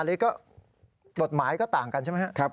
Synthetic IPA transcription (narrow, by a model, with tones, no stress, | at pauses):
liː˦˥kɔː˥˩ | ko˨˩t̪̚maː˩˦jkɔː˥˩t̪aː˨˩ŋka˧nt͡ɕa˥˩m˦˥kʰa˥kʰa˦˥p̚